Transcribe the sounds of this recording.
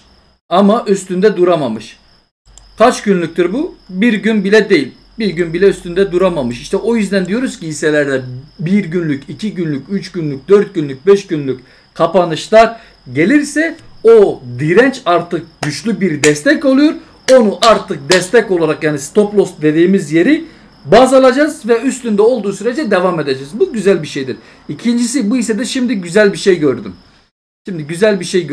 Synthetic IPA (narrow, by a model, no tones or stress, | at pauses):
amaʔyst̪ynd̪ɛd̪uɾamamɯʃ | kʰat͡ʃɟynlʲyc̚ʲt̪ʰiɾbubiɾɟynbilʲɛd̪e̞jilʲ | biɾɟynbilʲɛyst̪ʰynd̪ɛd̪uɾamamɯʃiʃt̪ʰɛʔojyzd̪ænd̪ijo̞ɾuz̥cijisɛlʲæɾd̪ɛbiɾɟynlʲycicʰiɟynlʲycyt͡ʃɟ̥ynlʲyc̚d̪øɾt̪̚ɟynlʲyc̚bɛʃɟynlʲyc | kʰapanɯʃlˠaɾ | ɟe̞lʲiɾsɛ | od̪iɾɛnt͡ʃaɾt̪ʰɯk̚ɟyt͡ʃlʲybiɾd̪ɛst̪ʰɛco̞lˠujo̞ɾ | o̞nuʔaɾt̪ʰɯk̚d̪ɛst̪ʰɛco̞lˠaɾakjaːnist̪o̞plˠo̞st̪̚d̪e̞d̪iːmizje̞ɾi | baːzalˠad͡ʒazvɛyst̪ynd̪ɛo̞lˠd̪uːsyɾe̞d͡ʒɛd̪evame̞d̪e̞d͡ʒɛzbuɟyzælʲbiʃe̞jd̪iɾ | icʰind͡ʒisibuisɛd̪ɛʃimd̪iɟyzælʲbiʃejɟøɾd̪ym | ʃimd̪iɟyzælʲbiʃej